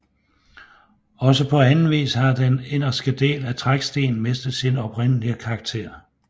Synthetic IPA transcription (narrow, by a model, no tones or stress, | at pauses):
ɒ̽səpʰɒ̽ænn̩ʋḭːshɑ̈d̥ene̝n̰ɐsɡ̥əd̥e̝̰ːlæt͡sʰʁaɡ̥sd̥e̝̰ːn̩me̝sd̥ð̩ˠsinɒ̽pʁen̰əliəkʰɑ̈ːɡ̥̚t͡sʰe̝̰ɐ̰